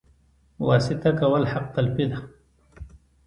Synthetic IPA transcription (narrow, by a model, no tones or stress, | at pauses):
wɑsɪt̪akawəlħaq̚t̪alpid̪a